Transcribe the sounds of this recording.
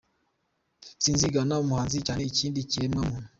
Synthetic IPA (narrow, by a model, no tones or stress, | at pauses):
siːnziɡanaomuhaːnzit͡ʃaːneiciːndiciemamunu